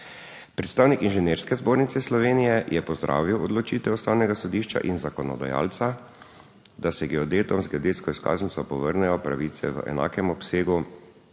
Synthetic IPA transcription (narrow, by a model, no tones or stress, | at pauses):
pɾɛt̪st̪aːwnikinʒɛneːɾskɛzboːɾnit̪sɛslɔʋeːnijɛjʔɛpɔzd̪ɾʔa̰ːʋiwɔd̪lɔt͡ʃiːt̪ɛɔst̪awnɛɡasɔd̪iːʃt͡ʃa̰ʔinzakɔnɔ̰d̪a̰ja̰ːlt̪sa | d̪asɛɡɛɔd̪eːt̪ɔmzɡɛod̪eːt̪skɔiska̰ːznit̪sɔpɔʋəɾnɛjɔpɾa̰ʋit̪sɛ̰ʋə̰ʔɛ̰na̰ːkɛmɔpseːɡu